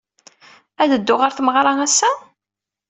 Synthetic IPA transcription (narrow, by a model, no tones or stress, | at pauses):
æðəd̪ːʊʁaɾθməʁɾˤɑŋæsːæ